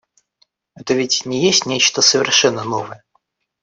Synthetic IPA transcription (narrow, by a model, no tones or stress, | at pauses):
ɛt̪əvʲɪtʲnʲɪjesʲtʲnʲet͡ɕt̪əsəvʲɪ̰rʂɛnːəno̞vəjə